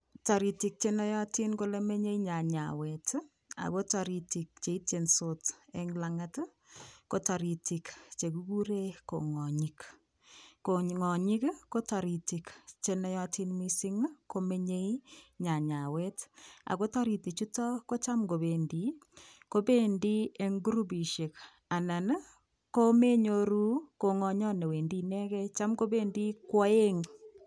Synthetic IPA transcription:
ta˨ɾi˨ti˨k̚t͡ʃenɛ˦jɔ˦ti˦nko˦le˦me˦ɲe˦iɲa˨ɲa̰˨wɛ˨t | a̰˨ko˦taɾi˨ti˨k̚t͡ʃe˨i˦te˨nso˨tɛ˦ŋlaŋat | ko˦ta˨ɾi˨ti˨kt͡ʃe˨ku˦ku˦ɾe˦ko̰˨ŋɔ˨ɲik | ko˨ŋɔ˨ɲi˦kko˦ta˨ɾi˨ti˨kt͡ʃe˨nɛ˦jɔ˦ti˦nmi˦si˦ŋko˨me˦ɲe˦i˦ɲa˨ɲa˨wɛ˦ta̰˨ko˦ta˦ɾi˨ti˨t͡ʃu˦tɔ˦ko˦t͡ʃa˦mko˨βe˨ndi˨ | ko˦pe˦ndi˦e˦ŋɡu˦ɾu˦bi˨ʃe˨k | a˨na˨n | ko˦me˦ɲoɾu˦ko˨ŋɔ˨ɲɔ˦ne˨we˨ndi˦nɛ˦kɛ˦t͡ʃa˦mko˦be˦ndi˦kwɔ˦e˦ŋ

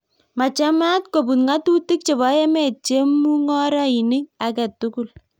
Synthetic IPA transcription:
ma˨t͡ʃa˦ma˦tko˨pu˨nŋa˦tu˦ti˦k̚t͡ʃe˨βa˨˦jɛ˦mɛ˨t͡ʃe˦mu˦ŋɔ˦ɾa˦i˨nɪ˦ŋakɛ˨tːuku˦l

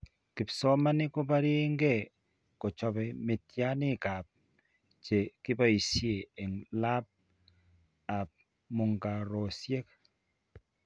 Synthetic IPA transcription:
ki˨psɔ˦ma˦ni˦ko˦ba˦ɾi˦ŋɡɛ˦˨ | ko˨t͡ʃɔ˨bɛ˨me˨tja˦nɪ˦ka˨p̚ | t͡ʃe˨ki˦ba˦i˨sje˨e˨ŋla˦p̚ | a˨p̚ | mʊ˨ŋɡa˨ɾo˨sje˦k̚

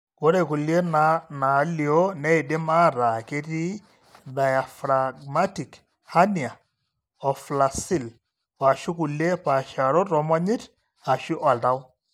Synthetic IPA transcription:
ko˦ɾe˨ku˨li˦e˦na˦na˨˦li˨o˦nɛ˦i˨de˦ma˦ɾa˨ke˦ti˦ | da˨ja˨fɾa˨ɡma˦ti˨k | ha˦ni˨a˨ | ɔ˨fla˨si˦˨l | a˨ʃu˦ku˨le˦pa˨ʃa˨ɾo˦tɔ˨ma˦ɲi˦t | a˨ʃi˦ʔa˨lta˦w

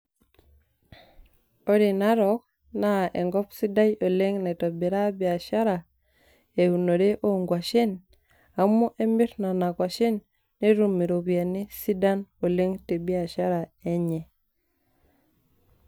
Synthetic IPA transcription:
o˦ɾi˨na˦ɾo˦k̚ | na˦ʔe˨ŋɡo˦psi˦da˦jo˨le˦ŋne˨to˨bi˨ɾa˦bi˨a˨ʃa˦ɾa˨ | e˨u˨no˨de˦ʔo˦ŋɡwa˨ʃe˦n | a˨mu˦ʔe˦mbi˦ɾna˨na˨kwa˨ʃe˦nː | e˦ɾu˨mi˨ɾo˨bi˨a˨ni˦si˦da˦no˨le˦ŋte˨bi˦a˨ʃa˦ɾa˨e˦ɲe˨

